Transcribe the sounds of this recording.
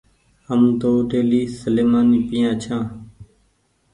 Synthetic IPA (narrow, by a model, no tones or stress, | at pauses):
əmd̪oːɖeːliːsəleːmaːniːpijãːt͡ʃʰãː